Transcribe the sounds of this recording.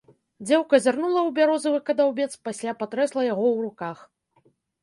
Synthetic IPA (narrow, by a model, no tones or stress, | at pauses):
d͡zʲɛwkɐzʲarnulˠɐwbʲaɾɔzɐvɨkɐd̪awbʲɛt̪spasʲlʲapat̪ɾɛslˠɐjaɣɔwrukax